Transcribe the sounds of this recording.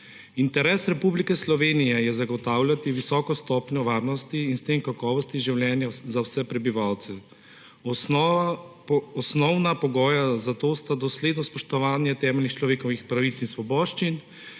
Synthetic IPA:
int̪ɛɾɛːsɾɛpublikɛslɔʋeːnijɛjɛzaɡɔt̪aːwlʲjat̪iʋisɔːkɔst̪ɔːpnjɔʋaːɾnɔst̪iinst̪emkakɔːʋɔst̪iʒiwljɛːnjazawsɛpɾɛbiʋaːwt̪sɛ | ɔsnɔwnapɔɡɔːjazat̪oːst̪ad̪ɔsleːd̪nɔspɔʃt̪ɔʋaːnjɛt̪ɛːmɛlnixt͡ʃlɔʋeːkɔʋixpɾaʋit̪sinsʋɔbɔːʃt͡ʃin

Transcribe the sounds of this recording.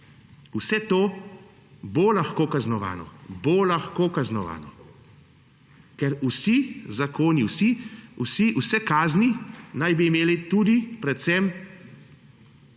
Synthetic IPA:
usɛt̪oː | bolaxkoːkaznɔʋa̰ːnɔ̰bolaxkoːkaznɔʋa̰ːnɔ | kɛɾusizakoːniwsiusiʔusɛkaːzninajbiːmeːlit̪ud̪ipɾɛt̪sɛm

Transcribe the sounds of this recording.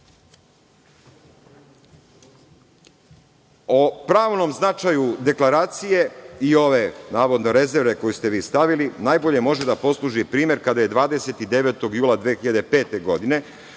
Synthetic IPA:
opɾaːʋno̞mznat͡ʃajud̪e̞klˠaɾaːt̪sije̞io̞ʋe̞naːʋo̞d̪no̞ɾe̞ze̞ɾʋe̞ko̞just̪e̞ʋiːst̪aʋilinaːjbo̞ʎe̞mo̞ʒed̪apo̞slˠuʒipɾiːmje̞ɾkad̪aje̞d̪ʋaːd̪e̞se̞t̪id̪e̞ʋeːt̪o̞ɡjuːlˠad̪ʋexiʎad̪e̞pe̞ːt̪e̞ɡo̞d̪ine̞

